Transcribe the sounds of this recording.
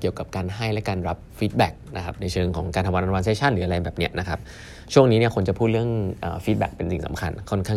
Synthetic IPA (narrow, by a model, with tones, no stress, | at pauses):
ki˨˩əwka˨˩p̚kaː˧nɦa˥˩jlɛ˦˥kaː˧nɾa˦˥p̚fiː˦˥t̪̚bɛ˨˩k̚na˦˥kʰa˦˥p̚na˧jt͡ɕʰɤː˧ŋkʰɔː˩˦ŋkaː˧t̪ʰa˧wa˧nʔwa˧nse˦˥t͡ɕʰa˥˩nɾɯː˩˦ʔa˧ɾa˧jbɛː˨˩p̚ni˦˥ɐʔna˦˥kʰa˦˥p̚ | t͡ɕʰu˥˩əŋniː˦˥ni˥˩ɐkʰo˧nt͡ɕa˨˩pʰuː˥˩t̪̚ɾɯ˥˩əŋʔə̰ː˨˩fiː˦˥t̪̚bɛ̰˨˩k̚pe˧nsi˨˩ŋsa̰˩˦mkʰa̰˧nkʰɔ˥˩nkʰaː˥˩